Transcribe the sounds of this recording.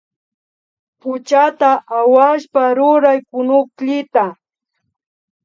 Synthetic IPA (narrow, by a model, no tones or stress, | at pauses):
pʊt͡ʃat̪aʔawaʃpaɾʊɾajkʊnʊkʎɪt̪a